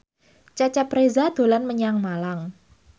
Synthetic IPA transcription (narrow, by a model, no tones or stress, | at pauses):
t͡ʃat͡ʃɛpɾezad̪̥o̤lanməɲaŋmalaŋ